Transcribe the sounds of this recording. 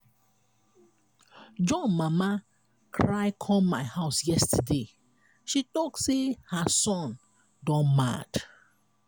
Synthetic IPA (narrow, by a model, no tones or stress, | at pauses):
d͡ʒɔ̃nmama | kʰɹaɪkʰɔ̃maɪhaʊsjɛstʰəde | ʃitɔksehasɔ̃n | dɔ̃nma̰d̥